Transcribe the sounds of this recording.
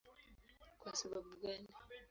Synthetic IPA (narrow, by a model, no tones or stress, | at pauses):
kwasaɓaɓuɡani